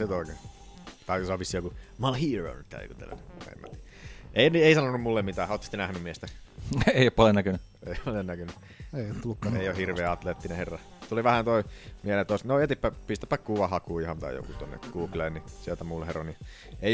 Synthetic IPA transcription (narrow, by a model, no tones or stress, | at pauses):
sit̪oˑike | t̪ɑiksɑʋʋisːijokumɑlhiːro̰nyt̪ːæ̰ḛkṵt̪ḛlːæ̰nḛmːæ̰t̪iʔeˑinieˑisɑnonːummulːemmit̪æːhot̪ːst̪ːenæhnymmiest̪æeˑiopɑlonækøny | ḛˑiɑlennækøny | eˑijot̪t̪ːulːukːɑḛˑijohhirʋeːɑt̪leːt̪ːineherːɑ | t̪uliʋæhænt̪oimielet̪ːosnoet̪ipːæpist̪æ̥pːækkuʋɑhɑkuːihɑnt̪ɑ̰ḭjo̰kut̪o̰nːḛɡ̥uːklennisielt̪æmulːeheroni | ei